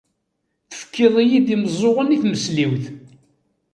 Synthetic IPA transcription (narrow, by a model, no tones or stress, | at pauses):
θə̥fkːiðˤijiðimzˤoʁəniθməsliwθ